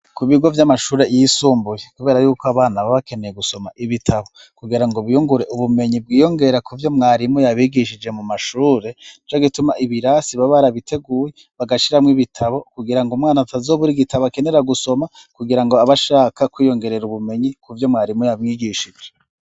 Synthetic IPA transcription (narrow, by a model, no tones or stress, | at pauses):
kuβiɡo̞vjamaʃuːɾe̞jisuːmbujekuβe̞ːɾajuːkoaβaːnaβaβake̞ne̞jeɡuso̞maʔiβitʰaβo̞ | kuɡiɾaŋɡoβujuŋɡuɾe̞ʔuβume̞ɲib̚ɡiːjo̞ŋɡe̞ɾakuvjo̞mŋaːɾimujaβiɡiʃid͡ʒe̞mumaʃuːɾe̞nit͡ʃoɡitumaʔiβiɾasiβaβaɾaβitʰe̞ɡuːje | βaɡaʃiɾamŋiβitʰaβo̞kuɡiɾaŋɡomŋaːnatazo̞ːβuɾiɡitʰaβakene̞ɾaɡuso̞ma | kuɡiɾaŋɡoaβaʃaːkakwiːjo̞ŋɡe̞ɾe̞ɾuβume̞ɲikuvjo̞mŋaːɾimujamŋiːɡiʃid͡ʒe